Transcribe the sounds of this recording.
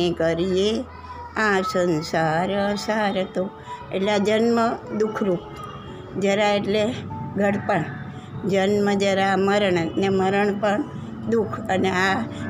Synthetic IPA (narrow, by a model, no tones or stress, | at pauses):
ẽkəɾije | ãsənsaɾəsaɾət̪o | ḛʈlead͡ʒənməd̪ukʰɾupt̪ | d͡ʒəɾaeʈleɡʱəɽpəɳ | d͡ʒənməd͡ʒəɾaməɾəɳneməɾəɳpəɳ | d̪ukʰənea